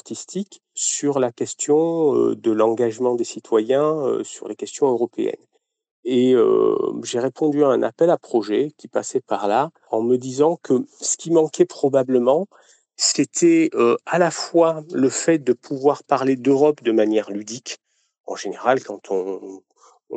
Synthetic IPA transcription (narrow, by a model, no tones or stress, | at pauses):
aʁt̪ist̪ʰik | syʁlakʲɛst̪jɔ̃ø̰d̪əlɑ̃ɡaʒmɑ̃d̪esit̪ʰwajɛ̃ø̰syʁlekʲɛst̪jɔ̃øʁɔpeɛ̰n | eø̰ʒeʁepʰɔ̃d̪yaɛ̃nʔa̰pɛlapχɔʒɛkʲipa̰sɛpaʁla | ɑ̃məd̪izɑ̃kʰəsə̥kʲimɑ̃kɛpχɔbabləmɑ̃ | set̪ʰɛøalafwaləfɛt̪̚d̪əpʰuvwaʁpaʁled̪øʁɔpd̪əmanjɛʁlyd̪ik | ɑ̰̃ʒeneʁalkɑ̃t̪ʰɔ̃